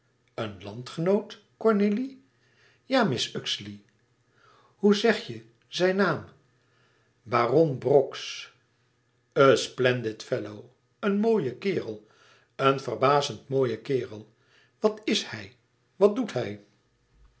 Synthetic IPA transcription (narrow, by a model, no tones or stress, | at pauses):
ənlɑntχənowt | kɔɹneli | jaːmɪsʏksli | huzɛχjə | zɛjnaːm | baːrɔnbrɔks | əsplɛndɪtfɛlow | ənmoːjəkɪːrəlˠ | ənvərbaːzəntmoːjəkɪːrəlˠ | ʋɑtɪshɛj | ʋɑt̚dutɦɛj